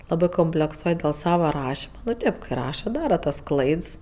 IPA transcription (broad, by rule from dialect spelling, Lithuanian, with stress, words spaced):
ˈlˠɑːbɜ koːmʲpʲlʲɛkˈsuɔj dʲeːlˠ ˈsɑːʋɐ ˈrɑːʃʲɪmɐ nʊ ˈtʲeːp ˈkɜ ˈrɑːʃɐ ˈdɑːrɐ tɐs ˈklˠɐɪts